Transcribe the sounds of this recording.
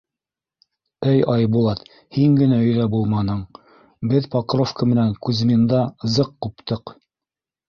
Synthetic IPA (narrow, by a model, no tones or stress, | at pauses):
ɘjɑjbulˠɑt̪ | hiŋɡɘ̆næɵ̆jðæbulˠmɑnɤɴ | bɘðpɑqɤ̆ɾofkəmɘ̆næŋkʉz̆mɘ̆nd̪ɑɤ̆zɤqːupt̪ɤq